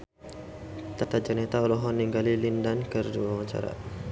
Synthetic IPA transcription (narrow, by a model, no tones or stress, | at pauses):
t̪at̪ad͡ʒanɛt̪aɔlɔɦɔnːiŋɡalilindankərduawaɲt͡ʃa̰ɾa̰